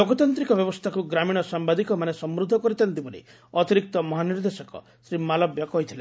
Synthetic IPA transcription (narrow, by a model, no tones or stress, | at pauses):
oɡɔt̪ant̪ɾikɔbjɔbɔst̪ʰakuɡɾamiɽ̃ɔsambad̪ikɔmanesɔmɾud̪ʱːɔkɔɾit̪ʰant̪ibolḭ | ɔt̪iɾik̚t̪ɔmɔɦaniɾd̪esɔkɔ̰ | sɾimalɔbjɔkɔɦjt̪ʰile